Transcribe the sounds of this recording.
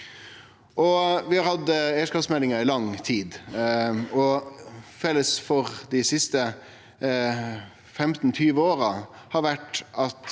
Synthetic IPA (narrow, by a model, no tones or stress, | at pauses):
ʔɔʋɪhɑɾhɑd̪əeəʂkɑːpsmɛlːɪŋəɾɪlɑŋt̪ʰiːd̪ | ɔ | fɛlːəsfɔɾd̪ɪsɪst̪ə | fɛmt̪n̩t̪ʰyːʋəoːɾə | hɑɾʋæʈʔɑt̪